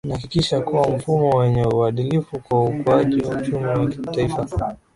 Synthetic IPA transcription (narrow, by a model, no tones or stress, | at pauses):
nahakikiʃakuwam̩fumɔwɛɲɛuaɗilifukwaukuaʄiwaut͡ʃumiwakitaifa